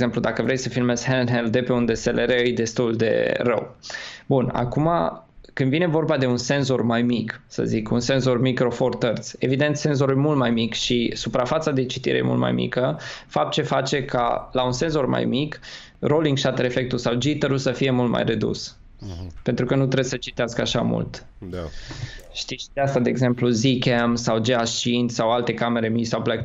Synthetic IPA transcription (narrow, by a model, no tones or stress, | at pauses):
zemplud̪akəvɾe̞jsəfilmez̥ʲhenɦeld̪e̞pe̞und̪e̞selʔeɾeɨjd̪e̞st̪uld̪e̞̰rə̰wbuna̰kuma̰kɨnd̪vine̞vo̞rbad̪e̞unse̞nzo̞rmajmiksə̰zikṵnse̞nzo̞rmikɾo̞fo̞rt̪ərt̪sʲe̞vid̪e̞nt̪se̞nzo̞ɾujmult̪̚majmikʃisupɾafat̪sad̪e̞t͡ʃit̪ḭɾḛjemṵlt̪ma̰jmḭkəfap̚t̪̚t͡ʃe̞fat͡ʃe̞kʰa̰launse̞nzo̞rma̰jmik | ro̞liŋɡʃat̪əɾe̞fe̞k̚t̪ulsawd͡ʒit̪əɾulsəfije̞mult̪ma̰jre̞d̪ṵs | pe̞nt̪ɾukənut̪ɾebsət͡ʃi̥t̪easkəaʃa̰mṵlt̪ | ʃt̪iʃid̪east̪ad̪e̞ːɡze̞mpluzikʲemsawd͡ʒeat͡ʃinsawalt̪e̞kame̞ɾe̞mit͡ʃsawplek